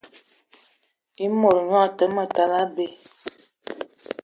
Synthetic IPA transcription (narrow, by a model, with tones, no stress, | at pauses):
i˦mo˨ɾŋa˦˨tə˦mə˨ta˨la˦be˦˨